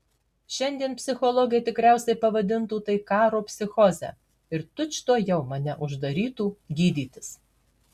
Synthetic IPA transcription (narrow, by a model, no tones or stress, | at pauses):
ʃʲɛnʲd̪ʲiɛnpʲsʲɪxɔlˠɔɡʲɛjt̪ʲɪkɾʲæˑʊsʲɛɪpɐʋɐd̪ʲɪnt̪uːt̪ɐɪkɑːɾoːpʲsʲɪxɔzʲæ̰ | ɪɾt̪ʊt͡ʃʲt̪oːjɛʊmɐnʲɛʔʊʒd̪ɐɾʲiːt̪uːɡʲiːd̪ʲiːt̪ʲɪ̥s